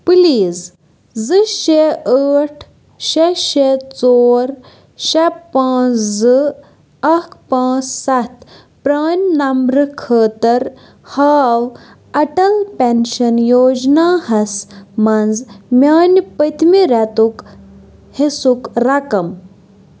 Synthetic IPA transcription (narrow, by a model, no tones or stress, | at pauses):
pɨliːz | zɨʃeəːʈʰ | ʃeʃet͡soːɾ | ʃepãːt͡szɨ | ɐkʰpãːt͡ssɐt̪ | pɾaːnʲnɐmbɾɨkʰəːt̪ɐɾ | haːw | ɐʈɐlpenʃɐnjoːd͡ʒnaːhɐsmɐnzmʲaːnʲpət̪miɾɛt̪uk | hesukɾɐkɐm